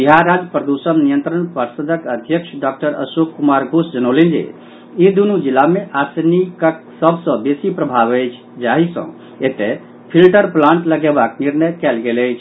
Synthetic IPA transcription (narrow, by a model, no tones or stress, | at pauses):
biɦaɾːad͡ʒpɾəd̪usənnijənt̪ɾəɳpəɾsəd̪ʱəkəd̪ʱjəkʂʰɖak̚ʈəɾə̰sukkumaɾɡʱusd͡ʒənolind͡ʒḛ | id̪unud͡ʒilːameʔasnikəksəbʱsə̃besipɾəbʱaʋəjt͡ʃʰ | d͡ʒaɦisə̰̃ | et̪e | pʰilʈəɾplãɳʈləɡebakniɾnəjkɛlɡeləjt͡ʃʰ